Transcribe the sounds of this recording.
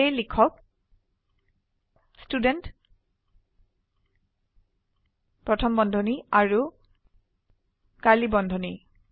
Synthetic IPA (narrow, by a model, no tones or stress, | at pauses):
ejlikʰɔk̚ | student | pɹɔtʰɔmbɔndʱɔniaɹu | kalibɔndʱɔni